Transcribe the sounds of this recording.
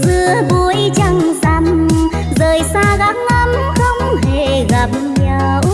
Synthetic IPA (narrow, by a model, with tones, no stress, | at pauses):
zɨ˧˨əɓu˧˩jt͡ɕə˧ŋ͡mza˧˩m | zəː˨˩jsaː˧ɣa˨˦˥k̚lə˧m | xə˧wŋ͡mɦe˧˩ɣa˨˩p̚ | ɲə˧˩w